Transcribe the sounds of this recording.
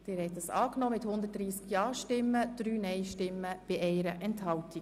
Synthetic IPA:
d̥ɪːɾhɛt̪ːəsɑ̰ːknɔːmɪthʊnd̪ətd̥ɾiːskjɑːʃtɪmːəd̪̥ɾyːnɛɪʃtɪmːəb̥iʔɛɪɾəʔɛnthɑlti

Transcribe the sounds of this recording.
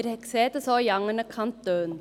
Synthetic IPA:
ɾhɛkseːt̪əsoːjɑŋːənəkʰɑnt̪̚d̪øːn

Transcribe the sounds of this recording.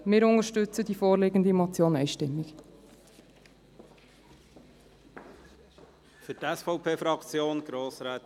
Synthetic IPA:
mɪːɾʊŋəʃtʉt͡səd̪ifoːɾlɪɡən̩d̪imɔt͡sjoːnɛɪʃtɪmːɪk | fytɛsfɔʊpʰeːfɾɑkt͡sjoːnɡ̥ɾoːsɾæːt

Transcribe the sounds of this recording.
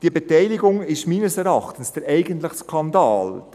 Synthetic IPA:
d̥iəbetɛɪlɪɡʊŋɪʃmiːnəsɛɾɑχtən̩sd̥əɾɛɪɡəntləχskʰɑndɑːl

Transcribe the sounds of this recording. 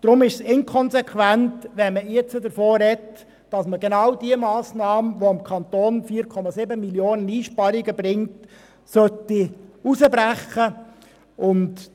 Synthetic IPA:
d̥ɾʊmɪʃsɪnkʰɔnsɛkʰʋæntʋɛnməjɛt͡sədəɾfoːɾɛt | d̥ɑsməɡenɑwdiəmɑːsnɑːməʋoɑmkʰɑnt̪oːnfiːəɾkʰɔmɑsɪbəmiljoːnəniːʃpɑɾɪɡəbɾɪŋt | sœtːiusəbɾæχə | ʔʊnd

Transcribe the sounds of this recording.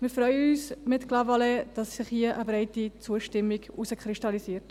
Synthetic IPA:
mɪfɾœʏəyːsmɪtklɑvɑlɛd̥ɑssɪχhiəʔəbɾɛɪtit͡suəʃtɪmːiɡusəkχɾɪʃtɑlisiəɾt

